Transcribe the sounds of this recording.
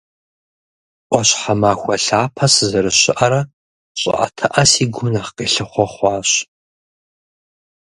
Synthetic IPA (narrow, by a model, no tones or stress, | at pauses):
ʔʷɔɕħamaːxʷɐɬaːpʰɐszɐɾɨɕɪʔɐɾɐ | ɕʼɪ̰ʔɐ̰tʰɨʔɐsiːɡʷʊnɐχqeːɬɨχʷɔχʷɑːɕ